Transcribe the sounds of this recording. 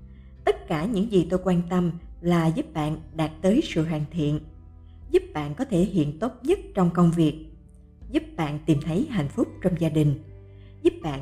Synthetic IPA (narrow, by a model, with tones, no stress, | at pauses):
t̪ə˦˥t̚kaː˧˩ɲɨ̰˧˥ŋzi˨˩t̪o˧jkwaː˧nt̪ə˧mlaː˨˩zu˦˥p̚ɓa̰ː˧˨nɗaː˨˩t̚t̪əː˨˦jsɨ̰˧˨ɦwa̰ː˧˨ŋt̪ʰḭ˧˨ən | zu˦˥p̚ɓa̰ː˧˨nkɔ˨˦t̪ʰe˧˩ɦḭ˧˨ənt̪o˦˥t̚ɲə˦˥t̚t͡ɕɔ˧wŋ͡mkə˧wŋ͡mvi˨˩ək̚ | zu˦˥p̚ɓa̰ː˧˨nt̪i˨˩mt̪ʰə˨˦jɦa̰˧˨jŋ̟fʊ˦˥k͡p̚t͡ɕɔ˧wŋ͡mzaː˧ɗï˨˩ŋ̟ | zu˦˥p̚ɓa̰ː˧˨